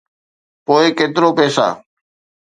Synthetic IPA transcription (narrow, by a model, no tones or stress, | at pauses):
poːɪkeːt̪ɪɾoːpɛːsa̰ː